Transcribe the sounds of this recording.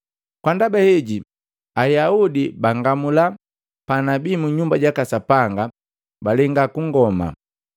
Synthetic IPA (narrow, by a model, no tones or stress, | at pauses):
kwandabahɛɟi | ajaudibaŋɡamula | panabiːmuɲumbaɟakasapaŋɡa | balɛŋɡakuŋɡɔma̰